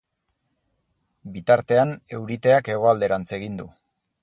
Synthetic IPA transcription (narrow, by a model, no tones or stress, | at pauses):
bit̪aɾt̪e̞ane̞wɾit̪e̞ake̞ɣ̞o̞ald̪e̞ɾant͡se̞ɣ̞ind̪u